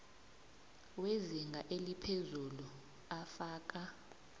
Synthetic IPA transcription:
weziŋɡʱaʔelipʰezulu | afaːk̬ʼa

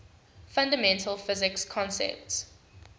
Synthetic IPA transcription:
fãndəmɛ̃ntʰəlfɪzɪkskʰɔ̃nsɛ̰p̚ts

